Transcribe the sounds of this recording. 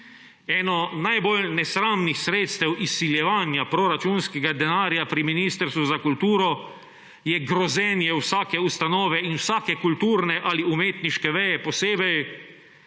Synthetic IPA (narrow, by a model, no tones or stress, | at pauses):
ɛːnɔnajbolnɛsɾaːmnixsɾeːt̪st̪ɛwʔisːiljɛʋaːnjapɾɔɾat͡ʃuːnskɛɡad̪ɛnaːɾjapɾiminiːst̪əɾst̪ʋuzakult̪uːɾɔ | jɛɡɾɔzɛnjɛwsaːkɛust̪anɔːʋɛinwsaːkɛkult̪uːɾnɛʔaliumeːt̪niʃkɛʋɛjɛpɔseːbɛj